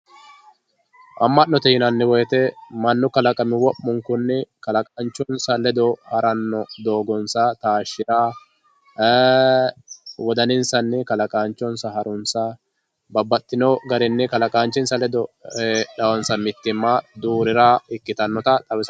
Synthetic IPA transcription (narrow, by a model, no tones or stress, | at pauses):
ʔɐmːɐʔnːɔt̪ɛhɪnɐnːɪwɔjɛt̪ɛmɐnːʊkɐlɐkʼɐmɪwɔpːʊŋkʊnːɛkɐlɐkʼaːnt͡ʃːɔnsɐlɛd̪ɔhɐɾɐnːɔd̪o̞ːɡɔnsɐt̪aːʃːɪɾaː | wɔd̪ɐnɪnsɐnːɛkɐlɐkʼaːnt͡ʃːɔnsɐɦɐɾʊnsɐ | bɐbːɐt̪ːɪnɔɡɐɾɪnːɛkɐlɐkʼaːnt͡ʃːɪnsɐlɛd̪ɔᶑɐwɔnsɐmɪt̪ːɪmːad̪uːɾɪɾaːɪkːɪt̪ɐnːɔt̪ɐt̪ʼɐwɪs